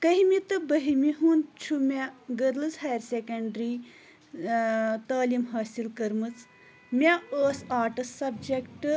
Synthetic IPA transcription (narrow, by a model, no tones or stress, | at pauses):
kɐɦimit̪ɨbɐɦimiɦuːnt͡ʃʰumʲaɡɐɾlɨzɦaːjɾsekɐɳɖɾi | t̪aːlimɦaːsilkɐɾmɨt͡s | mʲaəːsaːʈɨsɐb̚d͡ʒekʈɨ